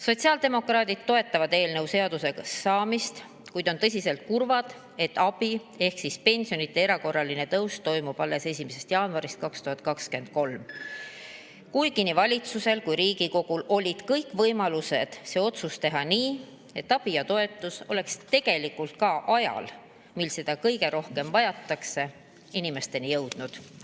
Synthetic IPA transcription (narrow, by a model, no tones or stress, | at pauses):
so̞t̪ʲsiɑːld̪̥e̞mo̞krɑːd̪id̪̥t̪o̞e̞t̪ːɑvɑd̪e̞ːlnɤwse̞ɑd̪̥use̞sɑːmist̪ | kujd̪̥o̞nt̪ɤs̬ʲise̞lt̪̚kurvɑd̪̥ | e̞t̪ːɑb̥i | e̞hksispe̞nʲsio̞nit̪ːˑe̞eɾɑko̞rːɑline̞t̪ɤwst̪o̞jmub̥ɑlːe̞se̞sʲimese̞st̪jɑːnuɑɾist̪̚kɑkst̪uhɑt̪̚ˑkɑkske̞nd̪̥̚ko̞lm | kujkinivɑlʲit̪suse̞lkujɾiːɡiko̞ɡ̥ulo̞lʲid̪̥kɤjkːˑvɤjmɑluse̞d̪̥se̞o̞t̪sust̪e̞ɦɑniː | e̞t̪ːɑb̥ijɑt̪o̞e̞t̪ːˑuso̞le̞kst̪e̞ɡ̥e̞likult̪̚kɑʔɑjɑ̰l | milse̞d̪̥ɑkɤjɡe̞ɾo̞hke̞mvɑjɑt̪ˑːɑkse̞ | inime̞st̪e̞nijɤwd̪̥nud̪̥